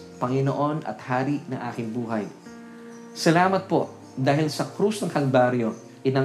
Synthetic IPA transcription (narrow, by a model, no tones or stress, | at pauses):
pɐŋɪno̰ʔo̞nɐ̰t̪̚haːɾiʔnɐ̰ŋʔaːkɪŋbuːɦɐj | sɐlaːmɐt̪̚po̞ʔ | d̪aːɦɪlsɐkɾusnɐŋhɐlbaːɾjo̞ | ʔɪnɐ